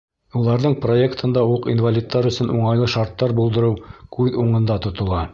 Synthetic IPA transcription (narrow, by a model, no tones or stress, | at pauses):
ulˠɑɾðɤɴpro̞ekt̪ʰɤ̆nd̪ɑwuqinvalʲit̪ːɑɾɵ̆sɵnʔuɴɑjlˠɤʃɑɾt̪ːɑɾbulˠd̪ɤ̆ɾɤwkʉðuɴɤ̆nd̪ɑt̪ŏt̪ŏlˠɑ